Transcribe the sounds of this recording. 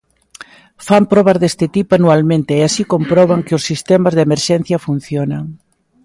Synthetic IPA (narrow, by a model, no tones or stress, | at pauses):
fampɾɔβazðest̪ɪt̪ipoanualmẽnt̪ɪːasikompɾɔβaŋkɪʊsːist̪emazðemeɾʃɛn̟θjɐfun̟θjonaŋ